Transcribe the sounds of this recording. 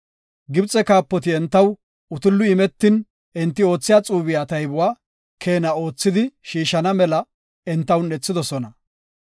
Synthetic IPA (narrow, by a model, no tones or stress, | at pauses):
ɡɪbt͡sʼːɛkaːpːɔt̪ɪɛnt̪ːɐw | ʊt̪ɪlːʊɪmɛt̪ːɪn | ɛnt̪ːɪo̞ːt͡sːɪjaːt͡sʼuːbɪjaːt̪ɐjbʊwaː | kʰe̞ːnɐo̞ːt͡sːɪd̪ɪʃiːʃɐnɐmɛlɐ | ɛnt̪ːɐwnɛt͡sːɪd̪ɔsɔnɐ